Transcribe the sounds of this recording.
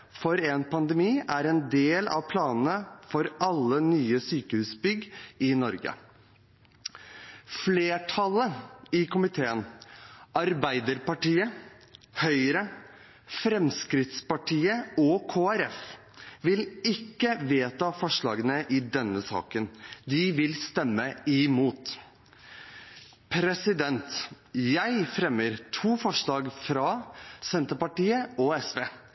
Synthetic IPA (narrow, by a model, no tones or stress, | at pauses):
fɔɾɛnpɑnd̪ɛmiːæɾɛnd̪eːlɑ̰ʋpʰlɑːnən̩əfɔɾɑlːənyːəsyːkəhʉːsbʏɡɪnɔɾɡə̰ | fleːʈʰɑləɪkʊmɪt̪ʰeːən | ɑɾbæɪd̪əɾpɑʈiːə | hœʏɾə | fɾɛmskɾɪt̪spɑʈʰiːəɔkʰoːæɾɛf | ʋɪlɪkːəʋeːt̪ɑfɔʂɭɑːɡənəʔɪd̪ɛnːəsɑ̰ːkənd̪ɪʋɪlst̪ɛmːəɪmuːt̪ | pʰɾɛsɪd̪ɛnt̪ | jæɪfɾɛməɾt̪ʰuːfɔʂɭɑːɡfɾɑsɛnt̪əpɑʈiːəɔɛsʋeː